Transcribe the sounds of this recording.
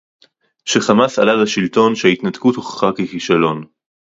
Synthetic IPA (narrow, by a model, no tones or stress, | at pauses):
ʃeχamasalalaʃilt̪o̞nʃait̪nat̪kuthoχχakekiʃalo̞n